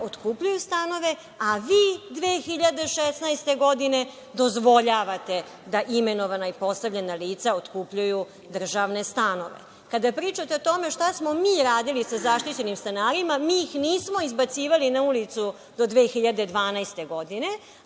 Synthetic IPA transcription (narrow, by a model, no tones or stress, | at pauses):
ot̪kupʎujust̪ano̞ʋe̞ | aʋiːd̪ʋeːxiʎad̪e̞ʃesnajst̪e̞ɡo̞d̪ine̞ | d̪o̞zʋo̞ʎaːʋat̪e̞ | d̪aʔime̞no̞ʋanaipo̞st̪avʎenaliːt̪saot̪kuːpʎuju | d̪r̩ʒaʋne̞st̪ano̞̰ʋḛ | kad̪apɾiːt͡ʃat̪eot̪o̞me̞ʃt̪asmo̞miːɾaːd̪ilisazaʃt̪it͡ɕe̞nimst̪enaːɾimamiixniːsmo̞izbat̪siːʋalinaulit̪su | d̪o̞d̪ʋeːxiʎad̪e̞d̪ʋaːnajst̪e̞ɡo̞d̪ine̞